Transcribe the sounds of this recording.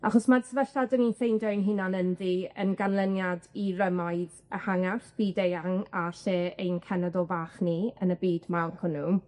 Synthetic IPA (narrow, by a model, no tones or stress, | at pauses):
aχɔsmadsəvɛɬtadɔninθejndɔjnɦɪnanənðiənɡanlˠənjadirəmaɨð | əhaŋarb̥iːdejaŋaɬeːejnkʰɛnɛðɔlˠvaːχniənəbiːdmawlkʰʊnu